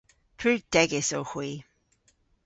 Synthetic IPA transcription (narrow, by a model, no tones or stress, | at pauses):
pʰɹʉːd̥ɛɡɪsoʊxwiː